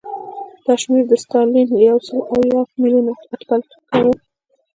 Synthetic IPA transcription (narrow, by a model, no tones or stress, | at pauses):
d̪̥ɑʃmeɾd̪əstɑlinjawsəlʔawjɑmiljunafat̪balt̪kawu